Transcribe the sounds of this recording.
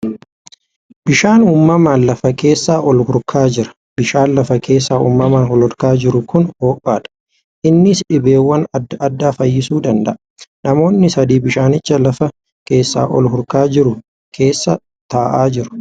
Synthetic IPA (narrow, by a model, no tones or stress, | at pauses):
bɪʃaːnuːmːɐmaːnlɐfɐke̞ːsːaːʔɔlhʊɾkʰaːd͡ʒɪɾɐ̥ | bɪʃaːnlɐfɐke̞ːsːaːṵmːɐmaːnhɔlɔɾkaːd͡ʒɪɾʊkʊnho̞ːpʼːaːᶑɐ̥ | ʔɪnːɪsᶑɪbe̞ːwːɐnɐɐd̪ːaːfɐjːɪsuːd̪ɐnd̪ɐ̰ʔɐ | nɐmo̞ːnːɪsɐd̪iːbɪʃaːnɪt͡ʃːɐlɐfɐ | ke̞ːsːa̰ːʔɔ̰lhʊɾkaːd͡ʒɪɾʊ | kʰe̞ːsːɐ | t̪aːʔaːd͡ʒɪɾʊ̥